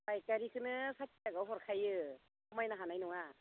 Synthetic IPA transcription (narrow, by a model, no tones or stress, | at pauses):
bajkaɾikʰɯnɯsat̚iaɡawɦɔɾkʰajɯ | ɔmajnaɦanajnɔŋa